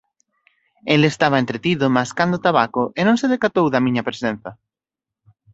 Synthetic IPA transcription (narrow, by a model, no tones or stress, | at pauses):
elest̪aβ̞ɐent̪ɾet̪iðʊmaskand̪ot̪aβakʊʔenõŋseðekat̪owðɐmĩɲɐpɾesẽn̟θɐ